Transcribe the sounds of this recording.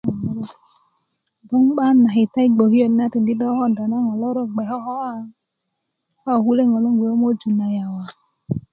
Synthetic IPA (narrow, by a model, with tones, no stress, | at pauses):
bu˦ŋ͡mɡ͡ba˦na˨ɦi˨ta˦i˦ɡ͡bo˨ɦi˦o˦˨n˦a˦ti˨n̩˨di˦dɔ˦hɔ˦˨n˨da˨na˦ŋɔ˨lɔ˦ɾɔ˦˨ɡ͡bɛ˨ɦɔ˦ɦɔ˦ | hɔ˦˨hu˦le˦˨ŋɔ˨lo˦ŋ˦ɡʷe˨o˦m˦o˦d͡ʒu˨na˨ja˨wa˨